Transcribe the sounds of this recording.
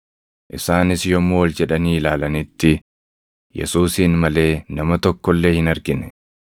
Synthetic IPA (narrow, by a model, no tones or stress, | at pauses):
ʔɪsaːnɪsjɔmːoːwɔld͡ʒɛᶑɐniːlaːlɐnɪt̪ːɪ | jɛ̰suːsiːnmɐle̞ːnɐmɐt̪ɔkːɔlːe̞ːhɪnɐɾɡɪnɛ